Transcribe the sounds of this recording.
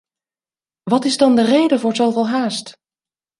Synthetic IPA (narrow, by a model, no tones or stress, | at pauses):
ʋɑtɪzdɑndərejdəvʊːɹzowvɪlˠɦaːst